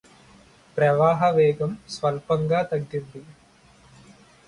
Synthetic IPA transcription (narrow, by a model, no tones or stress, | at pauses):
pɾɐʋaːɦɐʋeːɡɐmsʋɐlpɐŋɡaːt̪ɐɡːud̪ːi